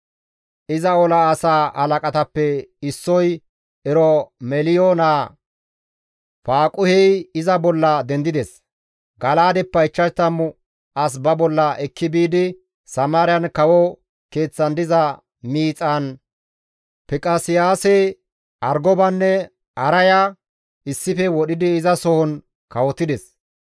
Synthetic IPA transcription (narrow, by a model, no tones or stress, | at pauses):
ʔɪzɐɔlɐːsaːʔɐlɐkʼɐt̪ɐpːɛɪsːɔj | ɛɾɔmɛlɪjoːnaː | faːkʼʊhɛjɪzɐbɔlːɐd̪ɛnd̪ɪd̪ɛs | ɡɐlaːd̪ɛpːɐɪt͡ʃːɐt̪ːɐmːʊ | ʔɐs̬bɐbɔlːɐʔɛkːɪbiːd̪ɪ | sɐmaːɾɪjɐnkɐwɔ | ke̞ːt͡sːɐnd̪ɪzɐ | miːt͡sʼaːn | pɪkʼɐsɪjaːsɛ | ʔɐɾɡɔbɐnːɛ | ɐɾɐja | ʔɪsːɪfɛwɔɗɪd̪ɪːzɐsɔhɔn | kɐwɔt̪ːɪd̪ɛs